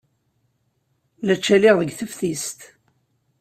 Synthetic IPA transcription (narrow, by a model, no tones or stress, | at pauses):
læt͡ʃːælɪʁðəɡθəfθist̪